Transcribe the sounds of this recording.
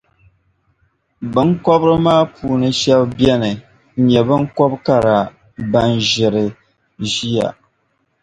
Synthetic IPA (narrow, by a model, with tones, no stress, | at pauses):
bɨ˦ŋ˦kɔ˦bɾɨ˦maː˦puː˨nɨ˦ʃɛ˦bbjɛ˦nɨ˨˦ | ɲɛ˨bɨ˦ŋ˦kɔ˦bka˦˨ɾa˨ | ba˦nʒɪ˨ɾɨ˨ | ʒi˦ja̰˨